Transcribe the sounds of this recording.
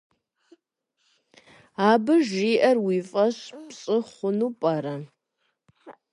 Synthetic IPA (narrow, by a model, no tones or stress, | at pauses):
aːbɨʒiːʔɐrwiːfʼɐɕpɕʼɨχʷʊnuːpʼɐɾɐ